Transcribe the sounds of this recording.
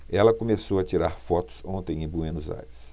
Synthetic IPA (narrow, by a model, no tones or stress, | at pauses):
ɛlɐkomesowɐt͡ʃiɾaɾfɔt̪ʊ̥sõnt̪ẽj̃ẽbuẽnʊza̰ɾɪs